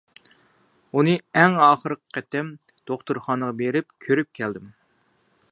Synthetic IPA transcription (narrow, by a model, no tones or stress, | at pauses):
unɨɛŋɑːχəɾəqqʰːɛt̪ɛm | d̪̥oχt̪uɾχɑːnəʁɑbeɾɪp̚kʲʰøɾyp̚kʲʰɛld̪ɪm